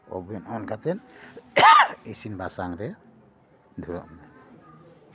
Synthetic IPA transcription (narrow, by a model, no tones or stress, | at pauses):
ɔ̰bjɔnɔnkʰat̪ɛn | esinbʱasaŋɾɛ | d̪ʱuɾɔ̰ʔmːɛ